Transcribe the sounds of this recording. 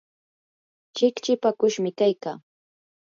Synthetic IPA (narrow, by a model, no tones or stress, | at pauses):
t͡ʃɪkt͡ʃɪpakʊʃmɪkajkaː